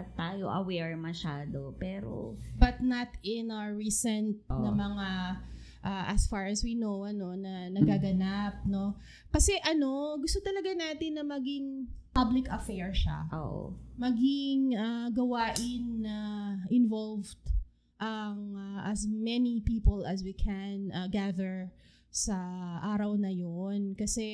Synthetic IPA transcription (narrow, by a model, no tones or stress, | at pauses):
t̪aːjoʔɐ̰wɛɹmɐʃaːd̪opɛːɾo̰bɐt̪̚nɐt̪ɪnaɐɹisɛnt̪̚nɐmɐŋa | ʔaʔɐsfaɹɐswinowʔɐno̞nɐnɐɡaɡɐnap̚no̞ | kɐsɛʔɐno̞ɡʊst̪ot̪ɐlɐɡanaːt̪ɪnːɐmɐɡɪŋpablɪkɐfɛɹʃa̰ʔoʔmɐɡɪŋɐɡɐwaːʔɪnːɐʔɪnvolvd̪̥ | ʔɐŋaʔɐsmɛnipiːpolɐs̬wikʰɛnɐɡaðɛɹ | sɐʔaːɾɐwnɐjonkɐsɛ